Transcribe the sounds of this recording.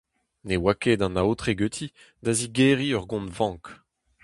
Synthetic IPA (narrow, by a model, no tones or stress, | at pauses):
newaked̪ɑ̃naot̪χeɡøt̪ʰi | d̪aziɡeʁiœʁɡɔ̃nvɑ̃ːk